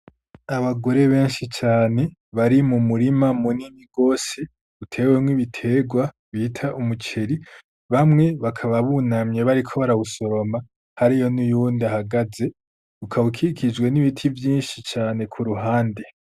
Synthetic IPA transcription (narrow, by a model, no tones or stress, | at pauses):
aβaɡo̞ɾe̞βe̞ːnʃit͡ʃaːne̞βaɾimumuɾimamuniniɡo̞ːse | utʰe̞ːwemwiβitʰe̞ːɡwa | βitʰaʔumut͡ʃʰe̞ɾi | βamŋe̞βakʰaβaβunamɲe̞βaɾikʰo̞βaɾawuso̞ɾo̞ma | haɾijo̞nujuːndahaɡaze̞ | ukʰaβukʰikʰid͡ʒɡwe̞niβitʰivjiːnʃit͡ʃaːne̞kʰuɾuɦaːnde̞